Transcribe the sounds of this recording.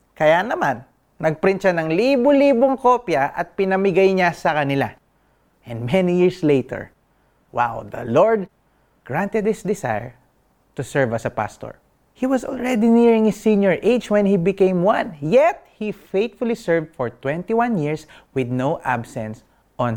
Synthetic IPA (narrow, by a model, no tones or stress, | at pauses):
kɐjanɐmanː | ɐɡ̚pɾɪnt͡ʃanɐŋlibʊliːboŋkopjɐʔɐt̪̚pɪnɐmɪɡajɲasɐkɐnɪla | ʔɛ̃nd̪mɛnijiɹslejt̪ɛ̰ɹ | wa̰wd̪ɐ̰loɹd̪̚ | ɡ̥ɹãnt̪ɛd̪̚hɪsd̪ɛsa̰jɛ̰ɹ | t̪ʊsɛɹvɐsɐpa̰st̪ɔ̰ɹ | hiwɐsɔ̰lɹɛd̪iniɹɪ̃ŋɪsĩnjɔɹʔejd͡ʒwɛ̃nhibɪkẽjmwãnjɛt̪̚hifejt̪fʊlisɛɹvd̪̚fɔɹt̪wɛ̃nt̪iwãnjiɹs | wɪd̪̚nowʔa̰bsɛ̃ns | ʔɔ̃n